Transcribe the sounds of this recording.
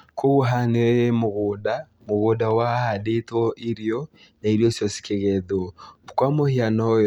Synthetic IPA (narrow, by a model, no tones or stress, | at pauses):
kʰoɣuɦaneemoɣoda | moɣodawahadetɔʔiɾiɔ | naiɾijɔsjɔsi̥keɣɛðɔkwamohianɔj